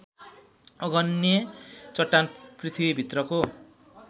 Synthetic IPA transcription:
ʌɡʌnjet͡sʌʈːanprit̪ʰibibʱit̪rʌko

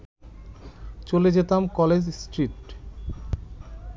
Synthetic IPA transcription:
t͡ɕoled͡ʑet̪amkɔled͡ʑsʈɾiʈ

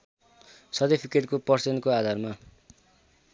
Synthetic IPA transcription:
sʌd̪epʰikeʈ̚kopʌrsenkoad̪ʱarma

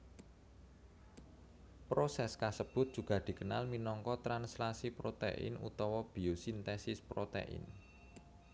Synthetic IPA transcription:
pɾosɛskasəb̥ʊ̤t̪̚d̥ʒ̥ṳɡ̥a̤d̪̥i̤kəna̰lminɔŋkɔt̪ɾanslasipɾot̪ḛʔɪ̰nṵt̪ɔwɔb̥i̤osint̪ɛsɪspɾot̪ḛʔɪ̰n

